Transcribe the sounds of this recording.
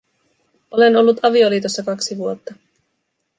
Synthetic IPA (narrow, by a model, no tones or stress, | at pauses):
o̞le̞no̞lːut̪ɑʋio̞liːt̪o̞sːɑkɑksiʋuot̪ːɑ